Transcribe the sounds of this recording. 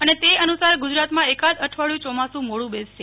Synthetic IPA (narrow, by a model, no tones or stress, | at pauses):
ənet̪eənusaɾɡud͡ʒɾat̪mãekad͡ʒəʈʰʋaɭjũt͡ʃɔmasũmoɽũbesʃe